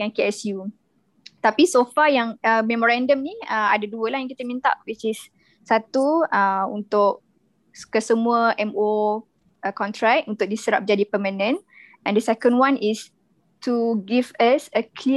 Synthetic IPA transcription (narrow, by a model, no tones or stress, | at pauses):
ankeɛsju | t̪apisofajaŋəmɛmoɾãndəmniəa̰daduəlahjãŋkit̪əmĩnt̪a̰ʔwit͡ʃɪsː | at̪uəṵnt̪ʊʔ̚ | kəsəmuəʔɛmo | əkɔnt̪ɾɛkunt̪ʊk̚disəɾa̰p̚d͡ʒadipəmãnə̃n | ʔɛ̃ndəsɛkə̃nwãnis | tʰuɡivəsəkʰli